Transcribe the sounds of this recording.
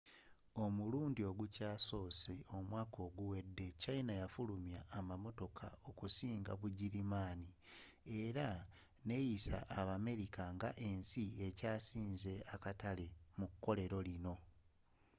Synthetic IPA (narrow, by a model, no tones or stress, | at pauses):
o̞muluːndio̞ɡucaːso̞ːsio̞mwaːko̞ːɡuwe̞dːe̞cainajafulumjaːmamo̞to̞kʰa̰o̞kusiːŋɡa̰βuɟiɾimaːni | e̞ɾa | ne̞jisa̰ʔːβame̞ɾikaŋɡaʔe̞nsiecaːsiːnze̞akatale̞mukːo̞le̞ɾo̞lino̞